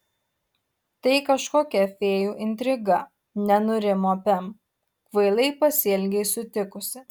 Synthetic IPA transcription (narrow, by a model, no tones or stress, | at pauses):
t̪ɐɪkɐʃkoːkʲɛfʲeːjuːʔɪnʲt̪ʲɾʲɪɡɐ | nʲɛnʊɾʲɪmoːpʲɛm | kʋɐɪlˠɐɪpɐsʲiɛlʲɡʲɛɪsʊt̪ʲɪkʊsʲɪ